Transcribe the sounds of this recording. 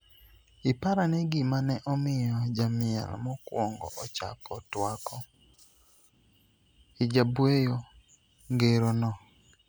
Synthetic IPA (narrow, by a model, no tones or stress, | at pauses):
ɪpaɾaneɡɪmanɛʔɔmɪjɔd͡ʒamɪɛ̰lmɔkwɔŋɡɔ̰ʔɔt͡ʃa̰pɔtwakɔ | ɪd͡ʒabwejo | ŋɡeɾonɔ